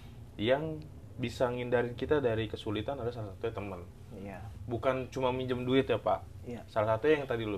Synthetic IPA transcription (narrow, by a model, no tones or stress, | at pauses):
jaŋ | bisaŋindaɾɪnkit̪adaɾikəsulit̪anadasalasat̪uat̪əmən | bukant͡ʃumamiɲd͡ʒəmduɪt̪japa | salasat̪ujaŋt̪adilʊ